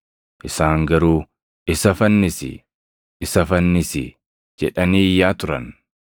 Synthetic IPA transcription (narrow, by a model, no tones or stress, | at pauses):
ʔɪsaːŋɡɐɾuː | ɪsɐfɐnːɪsɪ̰ | ɪsɐfɐnːɪsɪ | d͡ʒɛ̰ᶑɐniːjːaːt̪ʊɾɐn